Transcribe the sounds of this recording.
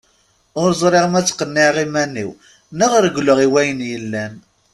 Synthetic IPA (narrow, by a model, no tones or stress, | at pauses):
ʊɾzˤɾˤɪʁmæt͡sːqːənːiʕʁimænːḭw | nəʁɾɡləʁiwæjənjəlːæn